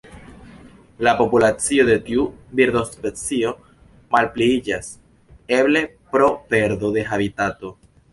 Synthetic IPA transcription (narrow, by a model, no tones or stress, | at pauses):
lapo̞pulat͡sio̞d̪e̞tiubiɾd̪o̞spe̞t͡sio̞ | malpliid͡ʒas | e̞ble̞ | pɾo̞pe̞ɾd̪o̞d̪e̞ɦabitato̞